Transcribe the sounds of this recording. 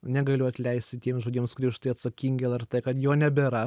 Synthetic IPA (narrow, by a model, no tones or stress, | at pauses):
nʲɛɡɐlʲʊɐt̪ʲlʲɛɪsʲt̪ʲɪt̪ʲiɛmsʒoːdʲiɛmskʊɾʲiɛʊʃt̪ɐːɐt̪sɐkʲiːŋʲɡʲɪɛlˠɛɾt̪ɛkɐt̪joːnʲɛbʲɛɾɐ